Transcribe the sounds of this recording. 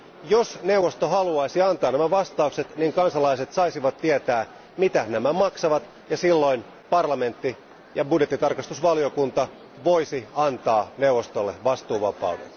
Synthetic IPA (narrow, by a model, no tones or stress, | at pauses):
josne̞uʋˑost̪oɦɑluɑisiɑnt̪ɑːnæmæʋɑst̪ɑukset̪niŋkɑnsɑlɑiset̪sɑisiʋɑt̪tːiet̪æː | mit̪ænæmæmɑksɑʋɑt̪ | jɑsilːo̞in | pɑrlɑme̞nt̪ːi | jɑbudjet̪ːˑit̪ɑrkɑst̪usʋɑliokunt̪ɑ | ʋoisiɑnt̪ɑːneuʋːˑost̪olːeʋɑst̪uːʋɑpɑ̰udḛn